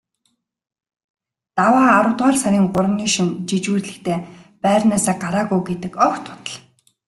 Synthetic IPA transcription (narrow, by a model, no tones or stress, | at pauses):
t̪awaːaɾʊ̆wt̪waːrsæɾʲiːŋɢʊɾə̆niːʃĭnt͡ɕit͡ɕuːrɮɘ̆xt̪ʰeːpæːrnaːsaːɢaɾaːɣujɡet̪ɘ̆kɔkt̪ʰʊ̥t̪ə̆ɮ